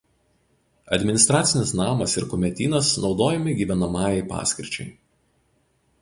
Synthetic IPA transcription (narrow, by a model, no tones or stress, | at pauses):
ɐ̰d̪ʲmʲɪnʲɪst̪ɾɑːt̪sʲɪnʲɪsnɑːmɐsɪɾkʊmʲɛt̪ʲiːnɐsnɒʊd̪oːjɛmʲɪɡʲiːʋʲɛnɐmɑːjɛɪpɑ̰ːsʲkʲɪɾʲt͡ʃʲɛ̰ɪ